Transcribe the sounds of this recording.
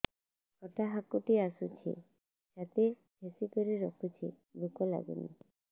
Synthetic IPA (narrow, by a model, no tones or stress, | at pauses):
kɔʈaɦakuʈiasut͡ʃʰḭ | d͡ʒat̪e | bʱesikɔɾiɾɔkʰut͡ʃʰi | bʱukɔla̰ɡṵnḭ